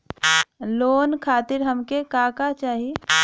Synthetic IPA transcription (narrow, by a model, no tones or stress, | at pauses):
loːnkʰaːt̪ɪɾɦɐmkekaːkat͡ʃaːɦie